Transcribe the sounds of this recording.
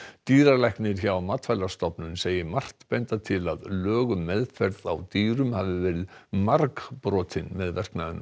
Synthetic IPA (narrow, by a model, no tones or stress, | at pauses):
t̪iːɾalajhknɪɾ̥çawamaːt̪fajlḁst̪ɔpnʏnseːjɪmar̥t̪pɛnt̪at̪ʰɪlaðlœːɣʏmɛðfɛɾða̰wt̪iːɾʏmhavɪvɛːɾɪðmaɾkpɾɔːt̪ʰɪnmɛðvɛr̥knaðʏn